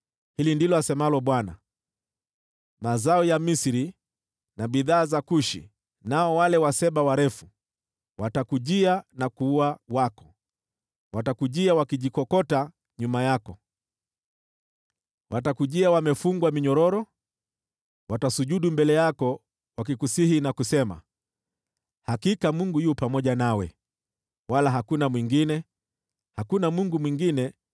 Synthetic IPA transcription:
hilindilɔasɛmalɔɓwana̰ | mazaɔjamisiɾi | naɓiðaːzakuʃḭ | naɔwalɛwasɛɓawaɾɛfu | watakuʄianakuːawakɔ̥ | watakuʄiawakiʄikɔkɔta | ɲumajakɔ | wʔatakuʄiawamɛfuŋɡwamiɲɔɾɔɾɔ | watasuʄuɗumbɛlɛjakɔ | wak̬ikusihinakusɛma̰ | hakikamuŋɡujuːpamɔʄanawɛ | walaɦakunamwiŋɡinɛ | hakunamuŋɡumwiŋɡinɛ

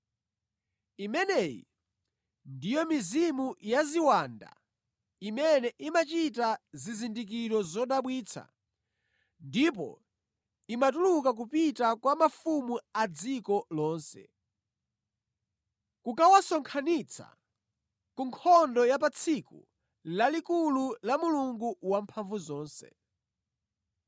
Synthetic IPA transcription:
imɛnɛjḭ | ndijɔmizimujaziwanda̰ | imɛnɛʔimat͡ʃitazizindik̬iɾɔzɔɗaɓwiːt͡sʰa̰ | ndip̬ɔ̰ | imatuluk̬ak̬upitakwamafumuad͡zikɔlɔːnsɛ̰ | kukawasɔŋkʰanit͡sʰa̰ | kuŋkʰɔndɔjapat͡sʰikṵ | lalikululamuluŋɡuwampʰaɱvuzɔːnsɛ̰

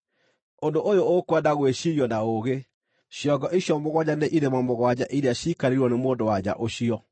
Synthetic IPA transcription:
ondoʔojookwadaɣweʃiɾjɔnaoɣe | ɕjɔɡɔʔeɕjɔmoɣwad͡ʑaneʔiɾemamoɣwad͡ʑa̰ʔiɾeaɕikaɾeɾwɔnemoːndowad͡ʑa̰ʔoɕiɔ

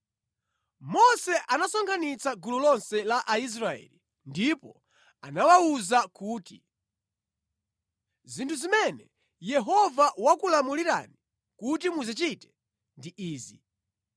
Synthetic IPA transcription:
mɔsɛʔanasɔŋkʰanit͡saɡululɔnsɛlaʔais̬ɾaɛ̰li | ndipɔ | a̰nawauzakuːti | zintʰuzimɛnɛ | jɛɦɔvawakulamuliɾa̰ni | kutimuzit͡ʃitɛ̥ | ndiʔiːzi

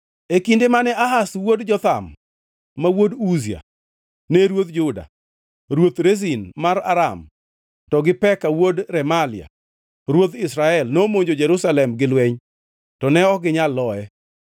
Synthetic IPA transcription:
ekindemanɛʔaɦaswodd͡ʒɔt̪a̰mː | awoduzia̰ | neɾwot̪d͡ʒʊda̰ | ɾwot̪ɾezinmaɾa̰ɾa̰m | tɔɡɪpɛkawodɾɛmalɪa̰ | ɾwot̪ɪsɾaɛlnomoɲd͡ʒod͡ʒɛɾusalɛmɡɪlwɛɲ | tɔnɛɔɡɪɲalːɔɛ

